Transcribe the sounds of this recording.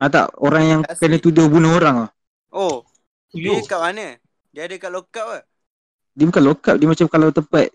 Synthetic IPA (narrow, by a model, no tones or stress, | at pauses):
at̪a̰ʔoɾaŋjaŋkənət̪udʊhbunəɦoɾaŋah | o | kaʔmanə | diadəkaʔlokap̚a | diəbukalokap̚diəmat͡ʃamkalawt̪əpat̪̚